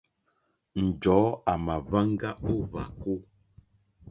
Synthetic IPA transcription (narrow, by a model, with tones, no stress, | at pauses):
n̩˨d͡ʒɔː˨˦a˨ma˨va˦ŋ˦ɡa˦o˦βa̰˨ko˦